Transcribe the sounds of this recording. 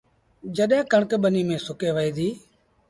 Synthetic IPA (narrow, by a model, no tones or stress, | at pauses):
d͡ʒəɗɦẽːkəɳkɓəniːmẽːsʊkeːʋəiːd̪iː